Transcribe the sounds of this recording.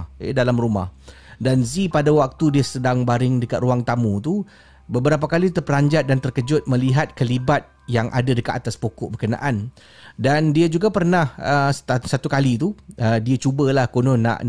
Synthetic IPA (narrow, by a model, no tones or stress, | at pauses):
ḛdalamruma̰h | danzipadawak̚t̪udiəsədaŋbaɾɪŋdəkat̪̚ruaŋt̪amũt̪u | bəbəɾapakalit̪ərpəlaɲd͡ʒat̪̚dant̪ərkəd͡ʒʊt̪̚mə̃liɦat̪̚kəlibat̪̚ | jaŋʔa̰dadəkat̪at̪aspokɔʔbərkəna̰ʔan | dandiad͡ʒuɡapərnahəssat̪ukalit̪uʔədiat͡ʃubəlahkonõna̰ʔ